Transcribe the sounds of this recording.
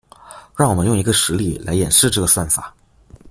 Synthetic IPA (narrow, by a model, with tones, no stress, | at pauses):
ɻɑ˥˩ŋwɔ˨˩mə˦jʊ˥˩ŋi˧˥ɡə˧ʂɻ̩˧˥li˥˩la˧˥ɪjɛ˨˩nʂɻ̩˥˧ʈ͡ʂɤ˥˩ɡə˩swa˥˩nfa̰˨˩˦